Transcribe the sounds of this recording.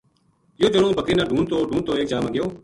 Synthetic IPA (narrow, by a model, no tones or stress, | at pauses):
ɪjoːd͡ʒəɳõːbʱəkeːnãːɖʱuːnt̪oːɖʱuːnt̪oːeːk̚d͡ʒaːmãːɠɪjoː